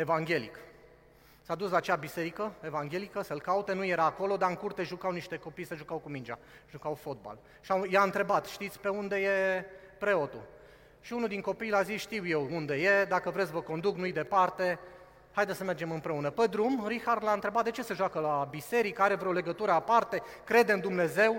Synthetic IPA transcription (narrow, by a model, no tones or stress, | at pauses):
e̞vaŋɡʲe̞lḭk | sad̪uslat͡ʃeabise̞ɾikəe̞vaŋɡʲe̞likəsəlkaut̪e̞nuje̞ɾaːko̞lo̞d̪aɨŋkurt̪e̞ʒukawniʃt̪e̞ko̞pijsəʒukawkumind͡ʒa̰ | ʒukawfo̞t̪̚ba̰l | ʃajaɨnt̪ɾe̞bat̪ʃt̪it̪sʲpe̞und̪e̞je̞ | pɾe̞o̞t̪ṵ | ʃiunud̪iŋko̞pijlazisʃt̪iwje̞wund̪e̞je̞d̪akəvɾetsʲvəko̞nd̪uknujd̪e̞part̪e̞ | hajd̪esəme̞rd͡ʒe̞mɨmpɾe̞unəped̪ɾumɾixard̪laɨnt̪ɾe̞bat̪̚d̪e̞t͡ʃe̞seʒwakəlabise̞ɾikəaɾe̞vɾeole̞ɡət̪uɾəapart̪e̞ | kɾe̞d̪eɨnd̪umne̞ze̞w